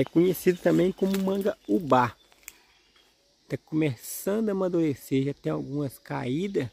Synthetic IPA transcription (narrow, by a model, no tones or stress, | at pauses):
ɛkõɲesid̪ʊt̪ɐ̃mbẽj̃kõmʊmɐ̃ŋɡɐuba | t̪akomesɐ̃nd̪ʊɐmad̪uɾeseʒat̪ẽj̃awɡũmɐska̰id̪ɐs